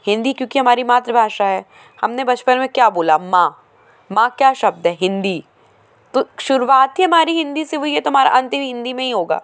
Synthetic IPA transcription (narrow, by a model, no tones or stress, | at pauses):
hɪ̃nd̪ikjõːkiɦɐmaːɾimaːt̪ɾəbʱaːʃaɦɛː | hɐmnebɐt͡ʃpənmẽkjaːboːlamãː | mãːkjaːʃɐb̚d̪ɦɛːɦɪ̃nd̪i | t̪oʃʊɾuʋaːt̪ɦiɦɐmaːɾiɦɪ̃nd̪iseɦoɦiɦɛt̪oɦɐmaːɾa̰ʔɐ̃nt̪ɪ̃mɦɪ̃nd̪imẽɦiɦoːɡa̰ː